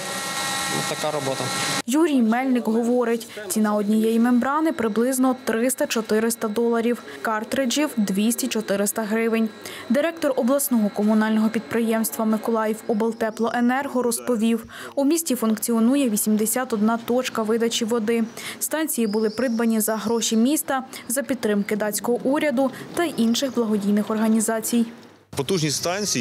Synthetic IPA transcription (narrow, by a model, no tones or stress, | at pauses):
ʊ̰t̪ɐkaɾɔbɔt̪ɐjuɾʲijmɛlʲnɪkɦɔʋɔɾɪtʲt͡sʲinɑɔdʲnʲijɛjimembɾɑnɪpɾɪblˠɪznɔt̪ɾɪst̪ɐt͡ʃɔt̪ɪɾɪst̪ɐd̪ɔlˠɐɾʲiw | kɑrt̪ɾed͡ʒʲiwd̪ʋʲisʲtʲit͡ʃɔt̪ɪɾɪst̪ɐɦɾɪʋɪnʲ | d̪ɪɾɛk̚t̪ɔrɔblˠɐsnɔɦɔkɔmʊnɑlʲnɔɦɔpʲid̪̚pɾɪjɛmst̪ʋɐmɪkɔlˠɑjiwɔbelˠt̪ɛplˠɔʔenɛrɦɔɾɔspɔʋʲiw | umʲisʲtʲifunkt͡sʲiɔnujɛʋʲisʲimd̪esʲat̪ɔd̪̚nɑt̪ɔt͡ʃkɐʋɪd̪ɐt͡ʃʲiʋɔd̪ɪst̪ɑnʲt͡sʲijibʊlˠɪpɾɪd̪̚bɐnʲizɐɦɾɔʃʲimʲist̪ɐzɐpʲid̪ːɾɪmkɪd̪ɑt͡sʲkɔɦɔʔuɾʲɐd̪ʊt̪ɐʔinʃɪɣblˠɐɦɔdʲijnɪxɔrɦɐnʲizɑt͡sʲij | pɔt̪uʒnʲist̪ɑnʲt͡sʲi